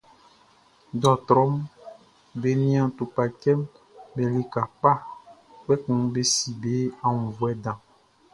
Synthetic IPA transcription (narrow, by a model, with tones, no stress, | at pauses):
do˨˦a˨t̪ɾɔ˦m | be˨nĩ˦ã˨t̪u˨pa˨kɛ˦m | bɛ˨le˦ka˨k͡pa˦ | k͡pɛ˦kũ˨ŋ˦be˦si˨be˦a˨ŋũ˨vwɛ˦dã˨